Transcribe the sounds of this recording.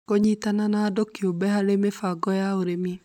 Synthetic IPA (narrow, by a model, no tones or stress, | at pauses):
koɲitananaːdokjobɛhaɾemefaɡɔjaoɾemi